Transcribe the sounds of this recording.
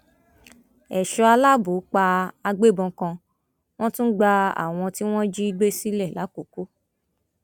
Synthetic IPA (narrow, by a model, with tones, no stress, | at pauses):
ɛ˨ʃɔ˧a˧la˦bo˨˦k͡pa˧a˧ɡ͡be˦˨bɔ̃˧kã˧ | w̃ɔ̃˦tũ˦ɡ͡ba˧a̰˦˨w̃ɔ̃˧ti˦w̃ɔ̃˦d͡ʒi˦i˦˧ɡ͡be˦si˦lɛ˦˨la˨˦ko˨ko˦